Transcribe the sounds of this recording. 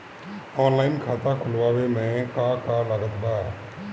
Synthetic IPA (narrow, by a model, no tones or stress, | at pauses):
ɔːnlaːɪinkʰaːt̪akʰʊlʋaːʋemɛ̃ːkaːkaːlaɡət̪baː